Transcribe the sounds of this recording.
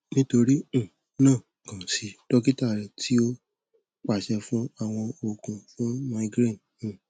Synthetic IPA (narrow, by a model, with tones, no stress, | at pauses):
nĩ˦to˧ɾĩ˦˨ | nãː˦˨ | kã˨si˧˦d̥ɔ˦ki˦ta˦˨ɾɛ˨tʰi˨˦o˧ | k͡pa˨ʃɛ˧fũ˦a˨w̃ɔ̃˧o˨kũ˨fũ˦ma˧˦ɡɾe˦˨ñ̩˦˨